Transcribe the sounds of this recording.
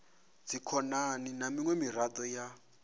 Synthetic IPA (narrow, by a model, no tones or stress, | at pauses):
d͡zikʰɔnaninamiŋwɛmirad̪ɔja